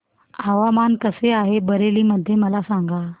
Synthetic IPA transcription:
aʋamankəseaɦebəɾeliːməd̪ʱːjeməlasãŋɡa

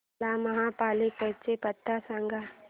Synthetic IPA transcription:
laːmɐɦãːpaːlekət͡ʃepət̪ːasə̃ŋɡa

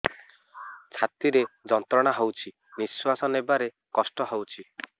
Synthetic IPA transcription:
t͡ʃʰat̪iɾed͡ʒɔnt̪ɾɔɽ̃aɦowt͡ʃʰi | niswasɔnebaɾe | kɔsʈɔɦowt͡ʃʰi

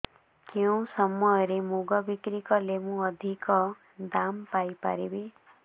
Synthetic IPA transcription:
kewsʌmːʌɾemuɡʌbikɾikʌlemũʌd̪ʱikʌ | d̪ampajpa̰ɾebe

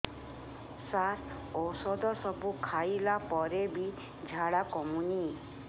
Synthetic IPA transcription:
saɾ | ɔsɔd̪ɔsɔbukʰajlapɔɾebi | d͡ʒʱaɽakɔmuni

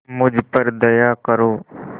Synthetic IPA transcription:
mʊd͡ʒʱpəɾd̪əjaːkəɾoː

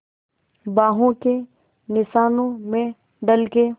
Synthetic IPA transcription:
baːɦõke | nɪsaːnõmẽ | ɖəlke

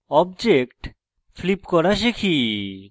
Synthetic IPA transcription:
ɔbd͡ʑekʈ | flipkɔɾaʃ̬ekʰi

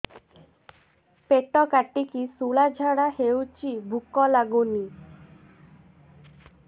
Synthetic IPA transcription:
peʈɔkaʈːikisuɭad͡ʒʱaɽahewt͡ʃibʱukɔlaɡuni

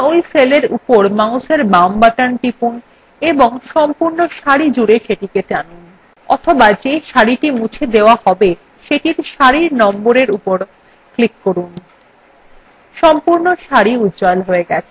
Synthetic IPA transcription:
ojseleɾṵpoɾmaw̃ʃeɾbambaʈanʈipun | eboŋʃɔmpuɾnoʃaɾid͡ʑuɾeʃeʈiketanin | ɔ̰t̪ʰobad͡ʑeʃaɾiʈimut͡ɕʰed̪eoahɔbe | ʃeʈiɾʃaɾiɾnɔmboɾeɾupoɾ | klikːoɾun | ʃɔmpuɾnoʃaɾiut̪d͡ʑɔlɦoeɡɛt͡ɕʰe

